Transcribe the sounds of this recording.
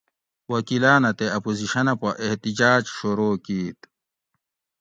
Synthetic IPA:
wɐkilaːnɐt̪eɐpoziɕɐnɐpɐʔeht̪id͡ʑaːd͡ʑɕuɾoːkiːt̪

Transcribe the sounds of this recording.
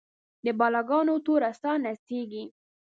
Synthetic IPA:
d̪əbɑlɑɡɑnot̪oɾast̪ɑnaseɡi

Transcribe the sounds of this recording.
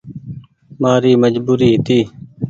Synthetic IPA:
maːɾiːməd͡ʒbuːɾiːɦɪt̪iː

